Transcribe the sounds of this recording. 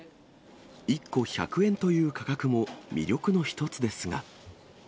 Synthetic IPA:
ikːo̞ça̰kɯ̟ẽ̞nt̪o̞jɯ̟ːkakakɯ̟mo̞mʲḭɾʲo̞kɯ̟no̞çi̥t̪o̞t͡sɨd̪e̞sɨŋa̰

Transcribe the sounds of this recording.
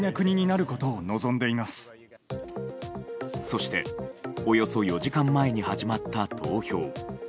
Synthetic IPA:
nakɯ̟ɲ̟iɲ̟inaɾɯ̟ko̞t̪o̞ːno̞zõ̞nd̪e̞imasɨ̥ | so̞ɕi̥t̪e̞̰o̞jo̞so̞jo̞ʑikãmːae̞ɲ̟ihaʑimat̪ːat̪ʰo̞ːço̞ː

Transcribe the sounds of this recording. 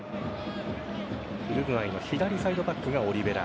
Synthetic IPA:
ɯɾɯɡɯ̟̃aino̞çid̪aɾʲisaid̪o̞pakːɯ̟ɡao̞ɾʲibe̞ɾa̰

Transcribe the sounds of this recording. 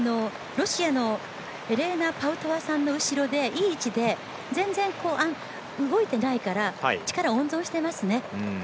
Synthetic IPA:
ano̞ | ɾo̞ɕiano̞ | eɾe̞ːnapaɯ̟t̪oβasãnːo̞ɯ̟ɕiɾo̞d̪e̞ʔiːt͡ɕid̪e̞ | d͡zẽ̞nd͡zẽ̞ŋko̞ːʔã | ɯ̟ɡo̞it̪e̞naikaɾat͡ɕi̥kaɾaõ̞nzõ̞ɰ̃ɕi̥t̪e̞masɨne̞

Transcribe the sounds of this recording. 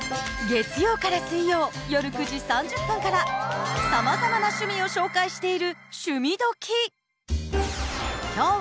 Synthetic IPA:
ɡe̞t͡sɨjo̞ːkaɾasɨĩjo̞ːjo̞ɾɯ̟kɯ̟ʑisãɲ̟d͡ʑɨpːɯ̃ŋkaɾasamazamanaɕɨmʲio̞ɕo̞ːkaiɕi̥t̪e̞iɾɯ̟ɕɨmʲid̪o̞kʲʰi | kʲoː

